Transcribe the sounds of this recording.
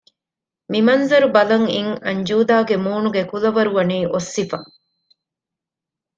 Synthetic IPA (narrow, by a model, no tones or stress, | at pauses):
mimɐnzɐɾubɐlɐŋiŋɐɲd͡ʒuːd̪aːɡemuːnuɡekulɐʋɐɾuʋɐniːʔosːifɐ̰